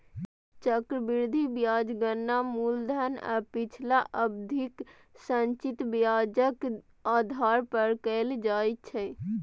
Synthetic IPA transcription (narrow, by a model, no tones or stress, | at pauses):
t͡ʃəkɾəbiɾd̪ʱibjad͡ʒɡənːamuld̪ʱəna̰pit͡ʃʰlaʔəbd̪ʱik | sənt͡ʃit̪bjad͡ʒək | ad̪ʱaɾpəɾkəld͡ʒajt͡ʃʰɛ